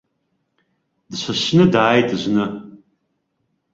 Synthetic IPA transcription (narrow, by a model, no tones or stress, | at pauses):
dʃʷʰaʃnɨdaːjtʼʒʷnɨ